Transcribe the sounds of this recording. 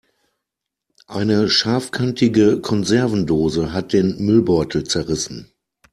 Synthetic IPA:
ʔaɪnəʃaɐfkʰantʰɪɡəkʰɔnzɛɐvn̩doːzəɦat̚d̥eːnmʏlbɔʏtʰl̩t͡sɛɐʁɪsn̩

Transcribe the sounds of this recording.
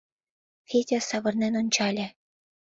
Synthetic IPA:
xʲetʲĕsɑʋɤ̆rnʲenʲunʲt͡ɕɑlʲɘ̆

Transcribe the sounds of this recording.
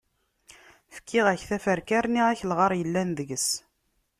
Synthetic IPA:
fə̥kʰːiʁæçθæfəɾkæɾniʁæçəlʁɑɾˤjəlːænðəʝəs

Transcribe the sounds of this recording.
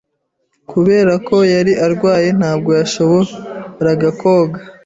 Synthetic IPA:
kuβe̞ːɾakʰo̞jaɾiʔaɾɡwaːje̞n̥haːb̚ɡo̞jaʃoβo̞ɾaɡako̞ːɡa

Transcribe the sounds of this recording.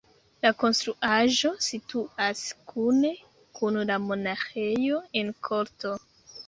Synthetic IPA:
lako̞nstɾuʔaʒo̞situaskʰune̞ | kunlamo̞naxejo̞e̞nkʰo̞ɾto̞

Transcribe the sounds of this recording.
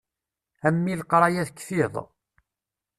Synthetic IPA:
æmːilqɾˤɑjæðkːθiðˤ

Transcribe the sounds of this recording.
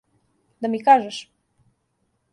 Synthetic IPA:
d̪amikaʒɛʃ

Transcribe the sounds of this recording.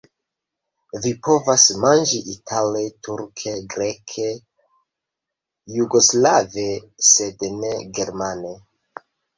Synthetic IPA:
vipo̞vasmand͡ʒiʔitʰale̞tʰuɾkʰe̞ɡɾe̞kʰe̞ | juɡo̞slave̞ | se̞dne̞ɡe̞ɾmane̞

